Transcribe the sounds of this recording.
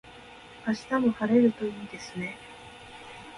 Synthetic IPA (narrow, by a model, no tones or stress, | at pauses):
aɕi̥t̪amo̞haɾe̞ɾɯ̟t̪o̞iːd̪e̞sɨne̞